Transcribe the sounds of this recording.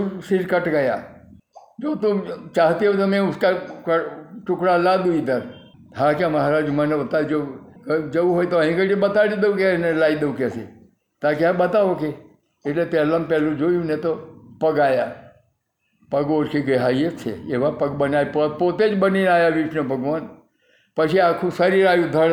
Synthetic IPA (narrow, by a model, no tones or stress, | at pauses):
siɾkəʈɡəja | d͡ʒoːt̪ũt͡ʃaɦt̪iɦot̪əmẽʊskakət͡ʃʊkɽalad̪uid̪əɾ | ɦãkãməɦaɾaːd͡ʒmənebət̪ad͡ʒokd͡ʒəʋuɦoːjt̪oəɦĩkəʈibət̪aɽid̪eũkenelaːid̪əʋũkese | t̪akãɓət̪aʋoke | eʈlepɛːlampɛlũd͡ʒoːjũnet̪opəɡaːja | pəɡoːɾkʰeɡəɦaːjet͡ʃʰḛeʋapəɡbənajppot̪ed͡ʒbəninaːjaʋiʃnobʱəɡʋaːn | pət͡ʃʰiaːkʰũsəɾiɾaːjũd̪ʱəɽ